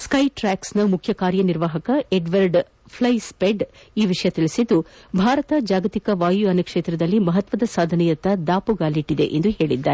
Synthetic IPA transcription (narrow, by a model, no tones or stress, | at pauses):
skɐjʈɾaːksnɐmukʰjɐkaːɾjɐniɾʋaːɦɐkɐeɖʋɐɾɖ | pʰlɐjspeɖ | iːʋiʂɐjɐt̪iɭisid̪ːubʱaːɾɐt̪ɐd͡ʒaːɡɐt̪ikɐʋaːjuɐnɐkʂeːt̪ɾɐd̪ɐlːimɐɦɐt̪ʋɐd̪ɐsaːd̪ʱɐnɛjɐt̪ːɐd̪aːpuɡaːliʈːid̪ḛʔḛnd̪uɦe̞ːɭid̪ːaːɾe